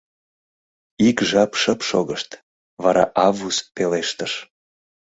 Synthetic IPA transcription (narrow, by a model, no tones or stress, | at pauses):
ikʒɑpʃəpʃo̰ɣəʃt̪ | βɑɾɑ̰ʔɑvuspeleʃt̪əʃ